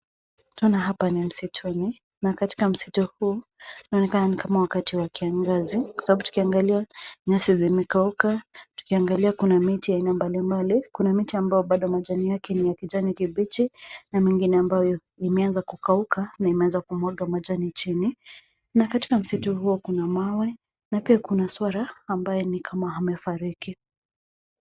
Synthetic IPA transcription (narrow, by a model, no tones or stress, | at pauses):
tɔnaɦapanim̩sitʰuni | nakati̥kam̩si̥tuhuːnaɔnɛkananikʰamawakatiwakiaŋɡazikwasabaɓutu̥kiaŋɡaliaɲasizimɛkaukatu̥kiaŋɡaliakunamitiainambalimbalikunamitiambajɔɓaɗɔmaʄanijakɛnijakiʄanikiɓit͡ʃinamiŋɡinɛambajɔ | imɛanzakukaukanaimɛanzakumwaɠamaʄanit͡ʃini | nakati̥kam̩situhuɔkunamawɛ | napiakunaswaɾaːmbajɔnikʰamaɦamɛfaɾiki